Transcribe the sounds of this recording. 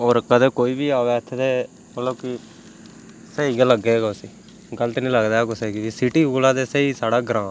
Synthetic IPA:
oːɾkəd̪eːkoːiːbiːaːʋeːt̪ʰːet̪eː | məlloːki | səiːɡaːləɡːeːɡaʊsiː | ɡələt̪nĩːləɡd̪aːɛkʊseɡibiːsiʈiːoːlaːd̪eːseiːsaːɽaːɡɾãː

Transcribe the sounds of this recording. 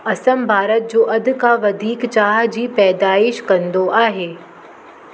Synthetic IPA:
ɐsəmbʱaːɾət̪̚d͡ʑoːʔɐd̪kaʋɐd̪ʱiːkt͡ɕaːɦd͡ʑiːpɛːd̪aːɪʃkɐ̃nd̪oʔaːɦeː

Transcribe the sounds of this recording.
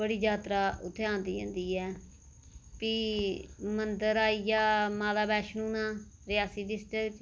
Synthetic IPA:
bəɽiːd͡ʒaːt̪ɾaːʊ̰t̪ʰːeːãːnd̪iːɦḛ̃ːnd̪iːɛː | piː | mənd̪əɾaːijaːmaːlaːbɛːʃnũːnãːɾɪjaːsiːɖɪsʈɾɪkt͡ʃ

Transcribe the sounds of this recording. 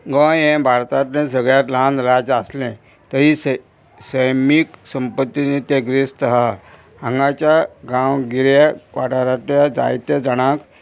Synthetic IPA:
ɡə̃ẽbʱaɾt̪at̪nẽs̬əɡɭjat̪lãnɾad͡zaslɛ̃ | t̪əɦis | səjmiksəmpət̪ːinet̪eɡɾist̪əɦa | ə̃ŋɡat͡ɕjaɡãwɡiɾjakʋaʈaɾat̪jad͡za̰jt̪ed͡zəɽ̃ãk

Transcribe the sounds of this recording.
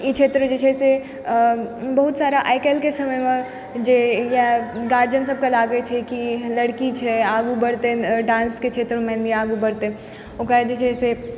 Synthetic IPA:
jet͡ʃʰeːt̪ɾəd͡ʒet͡ʃʰɛse | bɐɦʊt̪saːɾaʔaːɪkelkesɐməjmẽ | d͡ʒejaɡaːɾd͡ʒənsɐb̚kalaːɡet͡ʃʰɛkilɐɽkit͡ʃʰɛaːɡubɐɽt̪eɖãːnsket͡ʃʰeːt̪ɾmɛ̃ːnd̪iaːɡubɐɽt̪e | okad͡ʒet͡ʃʰɛse

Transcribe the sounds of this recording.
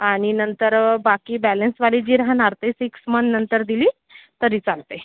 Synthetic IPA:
aɽ̃inənt̪əɾbakiːbɛlənsʋaliːd͡ʑiːɾɦanaɾt̪esiksmənːənt̪əɾd̪iliː | t̪əɾiːt͡salt̪e

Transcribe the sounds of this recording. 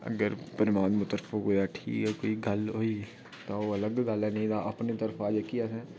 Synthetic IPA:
ə̰ɡəɾpəɾɪmaːnmʊt̪əɾfəkɦoːjaʈʰḭːkɛkoːiɡʱɐlɦoːi | t̪ooɐləɡɡəlɛ̃nĩd̪aʔɐpnit̪əɾfaːd͡ʒekiasɛ̃ː

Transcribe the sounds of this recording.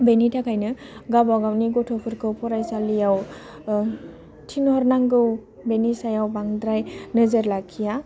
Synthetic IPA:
benitʰakʰajnɯɡabawɡawniɡɔtʰɔpʰɯɾkʰɯwpʰɔɾajsalijaw | tʰinhɔɾnaŋɡɯw | benisajawbaŋdɾajnɯzɯɾlakʰːija

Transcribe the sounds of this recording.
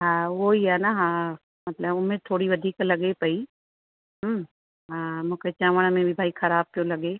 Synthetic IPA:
ɦãːʋoiɛːnaɦãː | mɐt̪ləbʊnmẽt̪ʰoːɽiʋɐd̪ʱiːklɐɡepɐi | ɦəm | ɦãːmʊ̃ket͡ʃãːʋəɽ̃amẽbʱibʱaːixʰɐɾaːb̚kõlɐɡeː

